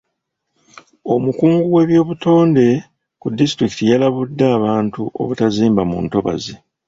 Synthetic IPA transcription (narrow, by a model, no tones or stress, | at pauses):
o̞mukuːŋɡuwe̞βjo̞ːβuto̞ːnde̞ | kudːistɾiki̥tijalaβudːaːβaːntuʔo̞̰βutaziːmbamṵːnto̞βa̰ze